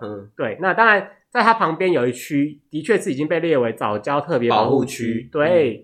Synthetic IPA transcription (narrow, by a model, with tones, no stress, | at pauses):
t̪we˥˩ɪna˥˨t̪ɑ˥ŋɻa˧˦nt͡sa˥˩ɪt̪ʰa˥pʰɑ˧˥ŋpjɛ˥njo˨˩ʊi˥t͡ɕʰy˥t̪i˧˥t͡ɕʰɥɛ˥˧ʂʰɻ̩˥˩˨i˨˩t͡ɕi˦˥ŋpe˥˧ɪljɛ˥˩we˧˥ɪt͡sɑ˨˩ʊt͡ɕjɑ˦˥ʊt̪ʰɤ˥˩p̬jɛ˧˦˨xu˥˧t͡ɕʰy˦˥t̪we˥˩ɪ